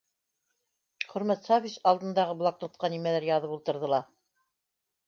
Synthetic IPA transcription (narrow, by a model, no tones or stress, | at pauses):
χɵ̆ɾmæt̪safʲiʃɑlˠd̪ɤ̆nd̪ɑʁɤblˠɑk̚t̪ŏt̪̚qɑnimælæɾjɑðɤpulˠt̪ɤ̆ɾðɤ̆lˠɑ